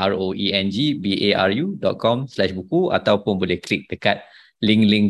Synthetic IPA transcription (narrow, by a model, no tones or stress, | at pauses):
aɹoiɛ̃nd͡ʒibiʔeaɹjudɔ̰t̪̚kɔ̃mslɛʃbukua̰t̪awpʊnbolɛhklik̚d̥əkat̪̚ | lĩŋlĩŋ